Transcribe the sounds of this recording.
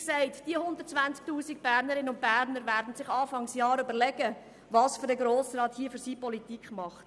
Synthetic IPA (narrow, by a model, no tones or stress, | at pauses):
ksɛɪtd̥iəhʊnd̪ərt̚t͡sʋænt͡sk̚tuːsik̚b̥æɾnəɾɪnəʊnt̚b̥æːɾnəɾvæːɾdn̩sɪχɑːfɑŋsjɑːɾʏbəɾlɛɡ̥ə | vɑːsføɾdəɡɾoːsrɑːthiəfyɾsiːpɔlitikχmɑχt